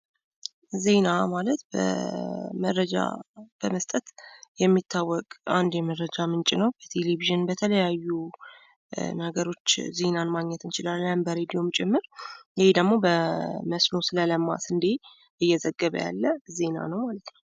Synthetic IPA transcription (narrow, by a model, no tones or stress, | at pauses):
ze̞namalət̪bə̰məɾəd͡ʒa̰b̥əməst̪ʼət̪jɛmːit̪ʰːawːɔkʼand̪jɛməɾɾəd͡ʒamɨnt͡ʃʼɪnəwb̥ət̪ʰe̞leβiʒɨnbət̪ʰələjajːu | nəɡəɾo̞t͡ʃːze̞nanmaɡɲɛt̪ɨnt͡ʃɪlalːəmbəɾe̞d̪ijo̞mt͡ʃʼɛmːɨɾjɪhed̪əɡmo̞bəməsno̞sɨlələmːa̰sɨnd̪e | ɨjːɛzəɡːəβə̰ja̰lːəze̞na̰nəwmalət̪nəww